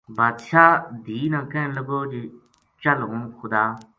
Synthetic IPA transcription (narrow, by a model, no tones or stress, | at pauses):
bat̪ʃʰaːd̪iːnãːkẽləɡoːd͡ʒi | t͡ʃəlɦũːxʰʊd̪aː